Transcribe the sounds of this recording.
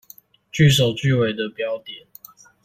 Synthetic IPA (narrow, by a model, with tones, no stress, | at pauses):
t͡ɕy˥˨ʂ̬o˨˩ʊt͡ɕy˥˨we˨˩ɪd̪ə˨pjɑ˦ʊt̪jɛ˨˩˦n